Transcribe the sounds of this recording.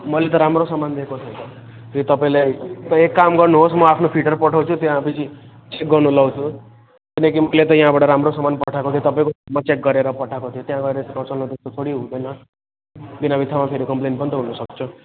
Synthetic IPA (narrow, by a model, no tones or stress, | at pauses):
mʌlet̪ʌɾamɾosʌmand̪ekot̪ʰʌjt̪ʌ | it̪ʌpaĩlajt̪ʌekːamɡʌrnuɦosmʌapʰnopʰiʈʌrpʌʈʰawt͡sʰut̪jãpʰit͡sʰi | t͡sek̚ɡʌrnulʌwt͡sʰũ | kinʌkimʌjlet̪ʌjaɦãbaʈʌɾamɾosʌmanpʌʈʰakot̪ʰijot̪ʌpaĩkomat͡sek̚ɡʌɾeɾʌpʌʈʰakot̪ʰijot̪jãɡʌɾeɾeskãt͡salnut̪est̪ot̪ʰoɽiɦũd̪enʌ | binabit̪ʰamapʰeɾikʌmplenpʌnit̪ʌɦunʌsʌkt͡sʰu